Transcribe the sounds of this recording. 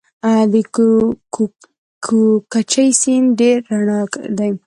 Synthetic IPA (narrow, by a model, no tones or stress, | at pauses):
ad̪ə | kʰokat͡ʃajsinɖeɾːaɳad̪aj